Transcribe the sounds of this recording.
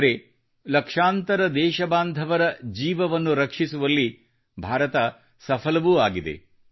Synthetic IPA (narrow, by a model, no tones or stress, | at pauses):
ɾe | lɐkʂaːnt̪ɐɾɐd̪ɛːʃɐbaːnd̪ʱɐʋɐɾɐd͡ʒiːʋɐʋɐnːuɾɐkʂisuʋɐlːi | bʱaːɾɐt̪ɐ | sɐpʰɐlɐʋuːaːɡid̪e̞̰